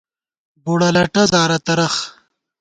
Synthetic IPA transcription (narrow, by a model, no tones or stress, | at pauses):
buɽɐlɐʈɐzaːɾɐt̪ɐɾɐx